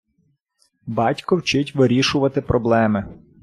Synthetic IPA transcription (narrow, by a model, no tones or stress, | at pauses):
bɑtʲkɔwt͡ʃɪtʲʋɪɾʲiʃʊʋɐt̪ɪpɾʔɔblˠɛmɪ